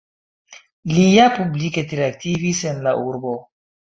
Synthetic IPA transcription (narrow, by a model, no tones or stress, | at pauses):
lijapubliketiɾeak̚tivisenlaʔuɾbo